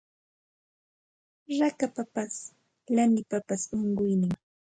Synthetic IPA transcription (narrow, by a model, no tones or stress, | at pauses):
ɾakapapas | lanɪpapasʊɴɢʊjnɪŋ